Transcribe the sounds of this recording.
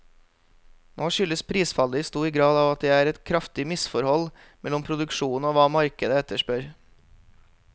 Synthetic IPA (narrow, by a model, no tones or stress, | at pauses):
nʔoːʃʏləspʰɾiːsfɑləst̪uːɾiːɡɾɑːd̪ɑːʋɑt̪̚d̪eːæːɾɛt̪kʰɾɑft̪ɪmɪsfɔɾhɔl | mɛlɔmpʰɾʊd̪ʉkʃuːn̩oːʋɑːmɑɾkəd̪əɛt̪əʃpœɾ